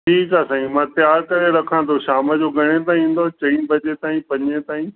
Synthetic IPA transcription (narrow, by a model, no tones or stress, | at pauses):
ʈʰiːkaːsãːĩmãːt̪jaːɾkɐɾeɾɐkʰãːnt̪ʰoʃaːməd͡ʑoːɡʱɐɽ̃et̪̬aːĩĩːn̆d̪ot͡ɕɐ̃ĩbʱɐd͡ʑet̪aːĩpɐɲẽt̪aːĩ